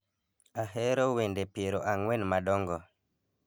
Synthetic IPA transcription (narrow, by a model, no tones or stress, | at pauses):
aɦɛɾɔwendepeɾoʔaŋwɛnmadɔŋɡɔ